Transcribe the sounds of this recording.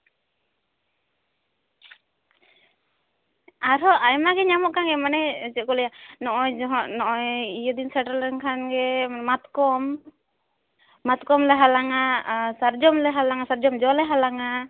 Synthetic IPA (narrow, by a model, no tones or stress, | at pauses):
aɾɔʔajmaɡɛɲamɔʔkaŋɡɛmanɛt͡ʃɛkɔlɛjanɔʔɔjd͡ʒɔɦɔnɔʔɔjijɔd̪insaʈalɛŋkʰanɡɛmat̪kɔm | at̪̚kɔmlɛɦalaŋasaɾd͡ʒɔmlɛɦalaŋasaɾd͡ʒɔmd͡ʒɔlɛɦalaŋa